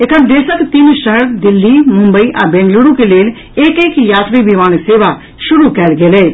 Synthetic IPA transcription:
ekəd̪eːɾsəkt̪inʃəɦəɾd̪ɪlːimʊ̃mbəiʔa̰bẽːnɡluɽũkeleːl | eːkeːkjaːt̪ɾibimaːnseːʋa | ʃʊɾukɛːlɡeleː

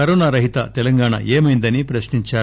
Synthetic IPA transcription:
ɐɾoːnaɾɐɦit̪ɐ̰t̪ɛlɐŋɡaːɳɐ̰ʔeːmɐjnd̪ɐnipɾɐʃniɲt͡ʃaː

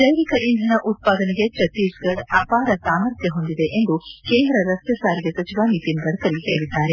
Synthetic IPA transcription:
d͡ʒɐjɾikɐʔinɦ̪ɐnɐʔut̪̚paːd̪ɐneɡe̞t͡ʃɐt̪iːsɡɐɖɐpaːɾɐsaːmɐɾt̪ʰjɐɦo̞nd̪id̪e̞ʔend̪ukeːnd̪ɾɐɾɐst̪jɐsaːɾiɡesɐt͡ʃiʋaːniːt̪inɡɐɽɐkɐlːik̪ɐjɐid̪ːaːɾe̞

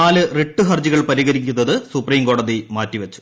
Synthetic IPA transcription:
aːlɨreʈːuɦɐrd͡ʑiɣɐɭpɐɾiɣɐɾikʲːunːɐðɨsupriːmko̞ːɽɐðimaːtːiʋɐt͡ɕːu̥

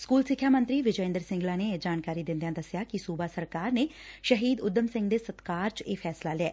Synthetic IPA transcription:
skuːlsɪkʰːjaːmə̃nt̪ɾiːʋɪd͡ʒəɪ̃nd̪əɾsɪ̃ŋɡlãːneːd͡ʒaːnkaːɾiːd̪ɪ̃nd̪ejãːd̪əsjaːkisuːbaːsəɾkaːɾneː | ʃəɦiːd̪ʊd̪əmsɪ̃ŋɡd̪eːsət̪kaːɾt͡ʃeːpʰɛːslaːlɪɛː

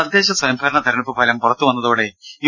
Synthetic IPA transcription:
ɐd̪ʱːe̞ːɕɐsɐjɐmbʱɐɾɐɳɐt̪ɐɾɐɳipːɨpɐlɐmpurɐt̪ːuʋɐnːɐðoːɽe̞i

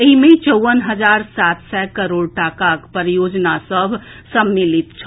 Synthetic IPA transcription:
eɦimẽt͡ʃəʋənɦəd͡ʒaɾsat̪sɛkəɾoɽʈakakpəɾijod͡ʒnasəbʱ | səmːilit̪t͡ʃʰ

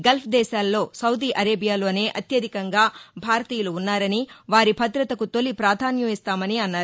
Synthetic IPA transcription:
ɡɐlpʰd̪ɛːʃaːlːo̞ːsɐwd̪iːʔɐɾeːbʱijaːlo̞ːne̞ːʔɐt̪jɐd̪ʱikɐŋɡaːbʱaːɾɐt̪iːjɐluːnːaːɾɐniʋaːɾibʱɐt̪ɾɐt̪ɐkut̪o̞lːipɾaːd̪ʱaːnjɐmist̪aːmɐniɐnːaːɾuu

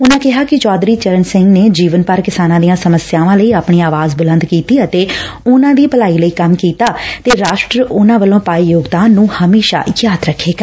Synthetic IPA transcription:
ʊnãːkɪɦaːkɪt͡ʃɔːd̪ɾiːt͡ʃəɾənsɪ̃ŋɡneːd͡ʒiːʋənpəɾkɪsaːnãːd̪ijãːsəməsjaːʋãːləiːaːpɳiːaːʋaːzbʊlə̃nd̪kiːt̪iːət̪eː | ʊnãːʋiːpəlaːiːləiːkəmkiːt̪aːt̪eːɾaːʃʈɾəʊnãːʋəlõːpaːiːjoːɡd̪aːnːũːhəmeːʃa̰ːjaːd̪ɾəkʰːeːkəɾ

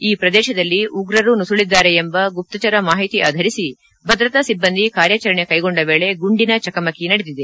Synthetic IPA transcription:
iːpɾɐd̪ɛːʃɐd̪ɐlːiʔuɡɾɐɾunusuɭid̪ːaːɾeembɐɡup̚t̪ɐt͡ʃɐɾɐmaːɦit̪iʔa̰ːd̪ʱɐɾisi | bʱɐd̪ɾɐt̪ɐsibːɐnd̪ʱikaːɾjat͡ʃɐɾɐɳe̞kɐjɡoɳɖɐʋe̞ːɭe̞ɡuɳɖinɐt͡ʃɐkɐmɐkinɐɽed̪id̪e

